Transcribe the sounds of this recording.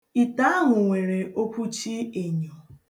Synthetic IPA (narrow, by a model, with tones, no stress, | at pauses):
i˨ta˦a˦ɦʊ˨ŋʷe˨ɾe˨ʔo˦kʷu˦t͡ʃi˦e˨ɲo˨